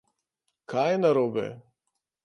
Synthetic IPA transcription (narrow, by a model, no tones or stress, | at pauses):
kʰajɛnaɾoːbɛ̰